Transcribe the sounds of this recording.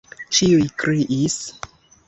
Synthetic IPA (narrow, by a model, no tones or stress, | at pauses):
t͡ʃiujkɾiʔis